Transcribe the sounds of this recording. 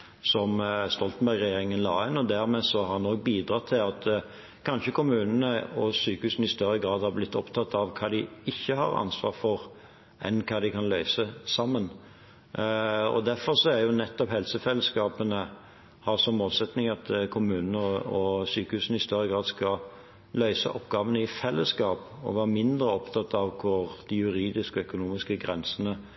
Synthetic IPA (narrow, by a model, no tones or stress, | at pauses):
sɔmst̪ɔlt̪n̩bæɾɡʁɛjeːɾɪŋənlɑːɪnɔd̪æɾmeːsɔhɑnɔk̚biːd̪ʁɑːt̪ʰɪlɑt̪ | kʰɑnʃəkʰʊmʉːnənəɔsyːkəhʉːsən̩ɪst̪œɾːəɡʁɑːd̪hɑʁblɪt̪ːɔpt̪ʰɑt̪ːɑʋkʰɑːd̪ɪɪçːəhɑ̰ʁɑ̰nsʋɑ̰ːʁfɔʁ | ʔɛ̰nkʰɑːd̪ɪkɑnlœʏsəsɑmːən | ɔ̰d̪æɾfɔʁsɔæɾjʊnɛt̪ːɔphɛlsəfɛlːəskɑːpənə | hɑɾsɔmmoːlsɛt̪nɪŋɑt̪kʰʊmʉːnnəɔsyːkəhʉːsnəɪst̪œɾːəɡʁɑːd̪skɑ | lœʏsə̰ʔɔpɡɑːʋənəɪfɛlːəskɑːpɔ̰ʋɑːʁmɪnd̪ɾəɔpt̪ʰɑt̪ːɑʋkʰʊʁd̪̥ɪjʉɾiːd̪ɪskəœkʊnuːmɪskəɡɾɛnsənə